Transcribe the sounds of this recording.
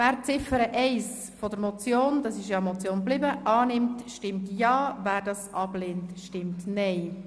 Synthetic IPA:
væːɾt͡sɪfəɾəʔɛɪs | fod̪əɾmɔt͡sjoːnd̥ɑsɪʃjɑmɔt͡sjoːnblɪbəʔɑːnɪmtʃtɪmtjɑːvæːɾdɑsʔɑbleːntʃtɪmtnɛɪ

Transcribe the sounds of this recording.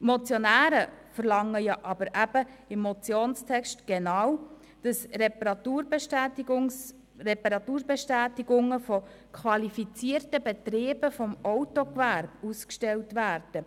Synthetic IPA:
mɔt͡sjɔnæːɾəfəɾlɑŋːəjɑʔɑb̥əɾʔæb̥əɪmːɔt͡sjoːnstʰɛkʃtɡ̥enɑːw | d̥ɑsɾɛpɾɑt̪uːɾbtːtiɡʊ | rɛpɑɾɑt̪uːɾbɛʃtæːtiɡʊŋːəfɔ | kʰχʋɑlifit͡siərtəbɛt̪ɾiːbəfɔmɔwtɔkʋæɾb̥uskʃtɛltʋæːrd̥ə

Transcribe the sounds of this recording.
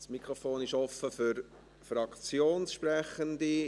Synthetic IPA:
smikʁofoːnɪʃɔfəfyɾ | frɑkt͡sjoːnsʃprɛχəndi

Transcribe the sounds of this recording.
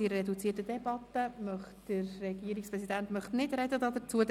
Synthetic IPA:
iɾɛdut͡siərtəd̥ɛbɑtəmœχtd̥ərːɛɡiːɾikspʁɛsidæntmœχtnɪdɾɛdədɑd̪ət͡suəd

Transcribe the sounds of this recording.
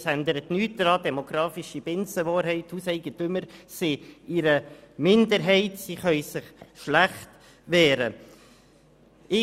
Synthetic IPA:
ændəɾətnyːt̚d̥ɾɑːdɛmoɡ̥ɾɑːfɪʃib̥ɪnsəʋɑːɾɦɛɪthuːsɛɪɡətʏməɾsɪɪɾəmɪndəɾɦɛɪtsiχœʏsɪχʃlæχt | ʋɛːɾə | ɪ

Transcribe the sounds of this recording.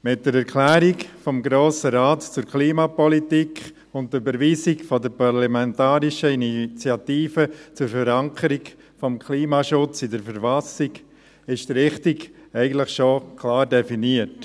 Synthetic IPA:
mɪt̚d̥əɾɛɾkʰlæːɾikfɔmɡɾoːsəɾaːtt͡sʊɾkʰliːmɑpɔlitikχ | ʊnt̚ybəɾʋiːsikfɔdəɾpaɾlamɛntɑːɾiʃəinit͡sjɑtiːfət͡sʊɾfəɾɑŋkʰəɾik | fɔmkʰliːmɑʃʊt͡sidəɾfəɾfɑsik | ɪʃd̥ɾɪχtiɡɛɪɡən̩tləχʃokʰlɑːɾdɛfiniət

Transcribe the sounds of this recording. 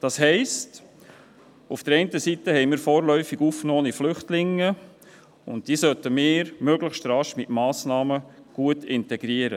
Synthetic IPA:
d̥ɑːshɛɪst | ufd̥əɾɛɪntəsitəhɛɪmiːɾfɔːɾlœʏfiɡuːfknoːniflʏχtlɪŋːə | ʊ̰nt̚d̥iːsœtəmɪːɾmøɡləχʃtɾɑʃmɪtmɑːsnɑːməɡ̥uətʰɪntɛɡɾiəɾə̰

